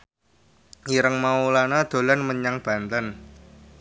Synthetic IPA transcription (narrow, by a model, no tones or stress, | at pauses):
iɾəŋmaulanad̪̥o̤lanməɲaŋb̥a̤nt̪ən